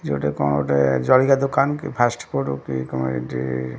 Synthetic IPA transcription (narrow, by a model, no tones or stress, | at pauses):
d͡ʒoʈekɔnoʈed͡ʒɔlikad̪okankipʰasʈpoʈukikɔmṵnḭʈḭ